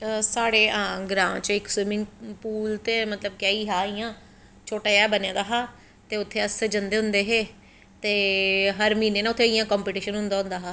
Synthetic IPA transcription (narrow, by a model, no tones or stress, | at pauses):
saːɽeːãːɡɾãːt͡ʃɪkswɪmɪ̃ŋɡpuːlt̪eːmət̪ləb̚kjaːiːɦaːijãː | t͡ʃʰoːʈaːjɛːbənjãːd̪aːɦaː | t̪eːʊt̪ʰːeːəsed͡ʒənd̪eːɦʊ̃nd̪eːɦeː | t̪eːɦəɾmiːneːnaːʊt̪ʰːeːijãːkɔːmpeːʈiːʃənɦʊ̃nd̪aːɦʊ̃nd̪aːɦaː